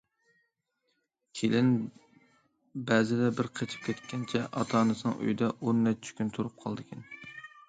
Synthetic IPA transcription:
kʲʰelɪn | bɛzɪd̪ɛbɪɾqʰet͡ʃʰi̥p̚kʲʰɛt̪kʲʰɛnt͡ʃʰɛʔɑt̪ʰɑːnɨsɨŋʔy̰jd̪ɛʔonːɛt͡ʃːʰɪ̥kʲynt̪ʰuɾup̚qʰɑlˠd̪ɨkʲɛn

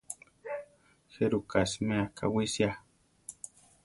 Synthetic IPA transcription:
xeɾukasmeakʰa̰wisja

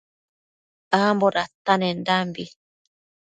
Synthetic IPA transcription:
amboɾat̪ːanendambi

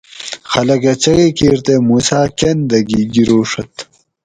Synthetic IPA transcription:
xɐlɐkɐt͡ɕɐɣekiːɾt̪emuːsaːkend̪ɐɡiɡiɾoːʂɐt̪

